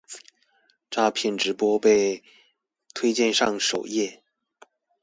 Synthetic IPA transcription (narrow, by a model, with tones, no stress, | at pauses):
ʈ͡ʂa˥˧pʰjɛ˥˩nʈ͡ʂɻ̩˧˥pwɔ˥pe˥˧ɪ | t̪ʰwe˥ɪt͡ɕjɛ˥˧nʂɑ˥˩ŋʂo˨˩ʊjɛ˥˩